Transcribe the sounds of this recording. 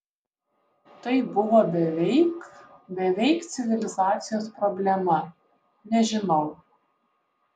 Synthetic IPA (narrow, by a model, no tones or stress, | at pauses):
t̪ɐɪbʊʋoːbʲɛʋʲɛɪkbʲɛʋʲɛɪkt̪sʲɪʋʲɪlʲɪzɑːt̪sʲɪjoːspɾɔbʲlʲɛmɐ | nʲɛʒʲɪnɒʊ